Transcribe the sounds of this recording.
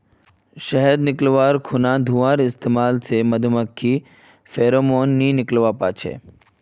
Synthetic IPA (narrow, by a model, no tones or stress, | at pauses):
ʃɐɦəd̪nɪklʋaːɾkʰʊnãd̪ʱuʋaːɾɪst̪eːmaːlsemɐd̪ʱuməkʰːi | fʰeːɾoːmoːnːinɪklʋaːpa̰ːt͡ʃʰḛː